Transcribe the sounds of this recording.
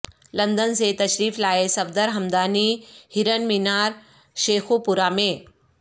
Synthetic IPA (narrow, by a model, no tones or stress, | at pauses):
lɐ̃nd̪ənset̪ɐɕɾiːflaːesɐbd̪əɾɦɐmd̪aːnihiɾənminaːɾ | ʃeːxupuɾamẽ